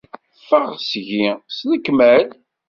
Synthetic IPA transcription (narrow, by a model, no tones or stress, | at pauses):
fəʁsʝisləkːmæl